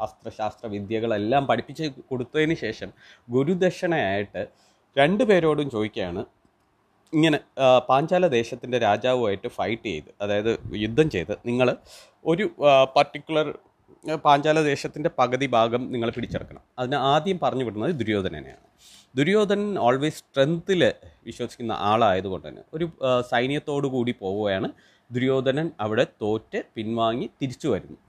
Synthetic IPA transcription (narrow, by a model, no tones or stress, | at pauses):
ɐst̪rɐɕaːst̪rɐʋid̪jɐɣɐɭelːaːmpɐɽipːit͡ɕːɨko̞ɽut̪ːɐðenːɨɕe̞ːʂɐm | ɡuɾud̪eɕɐɳɐaːjiʈːɨ | ɾe̞ɳɖɨpe̞ːɾo̞ːɽumt͡ɕo̞ːðikʲːɐjaːɳɨ | iŋːɐnepaːɲd͡ʑaːlɐd̪e̞ːɕɐt̪ːinde̞ɾaːd͡ʑaːʋumaːjiʈːɨfɐjʈːɨt͡ɕejt̪ːɨɐðaːjɐðɨjud̪ʱːɐmt͡ɕe̞jt̪ɨ̰niŋːɐɭ | o̞ɾupɐrʈːikʲːuɭɐr | paːɲd͡ʑaːlɐd̪e̞ːɕɐt̪ːinde̞pɐɡɐðibʱaːɡɐmniŋːɐɭpiɽit͡ɕːiɽɐkːɐɳɐ̰mɐðinɨaːd̪jɐmpɐrɐɲːupːiɽunːɐðɨd̪uɾujo̞ːd̪ʱɐnɐ̰nḛja̰ːɳɨ | d̪uɾujo̞ːd̪ʱɐnɐnoːɭʋeːsʈrend̪ilʋiɕwɐsi̥kʲːunːɐ̰ʔaːɭaːjɐðuɣo̞ɳɖɨðḭnːɨ̰o̞ɾusɐjnjɐt̪ːo̞ːɽɨkuːɽipo̞ːʋuɐjaːɳɨ | d̪uɾujo̞ːd̪ʱɐnɐnɐʋiɽe̞t̪o̞ːtːɨpinʋaːŋːit̪iɾit͡ɕːuʋɐɾunːu